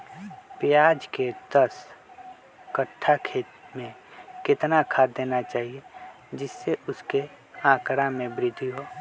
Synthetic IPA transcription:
pɪjaːd͡ʒked̪əs | kəʈʰːakʰeːt̪mẽ | kɪt̪nakʰaːd̪ːeːnat͡ʃaːɦie | d͡ʒɪsːeʔʊske | ãːkɾamẽbɾɪd̪ʱːiɦoː

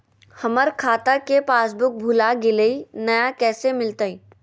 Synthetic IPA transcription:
hɐməɾkʰaːt̪akepaːsbʊk̚bʱʊlaɡɪleinɐjakɛːsemɪlt̪aiː

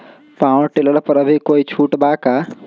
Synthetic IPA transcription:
pãːʈeləlpəɾəbʱikoːit͡ʃʰuːʈbaːkaː

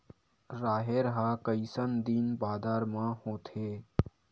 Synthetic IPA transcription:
ɾaːɦeɾəɦaːkəɪsənd̪inbaːd̪aːɾmãhõːt̪ʰeː

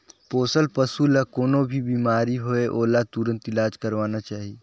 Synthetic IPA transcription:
poːsəlpəsulɐkoːnobʱibiːmaːɾiɦoeʔoːlat̪uɾə̃nt̪ɪlaːd͡ʒkəɾʋaːnat͡ʃaːɦi

